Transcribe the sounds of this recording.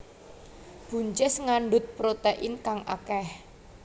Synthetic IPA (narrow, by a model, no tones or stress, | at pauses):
b̥ṳɲt͡ʃɛsŋaɳɖʊt̪̚pɾot̪eʔɪnkaŋʔa̰kɛh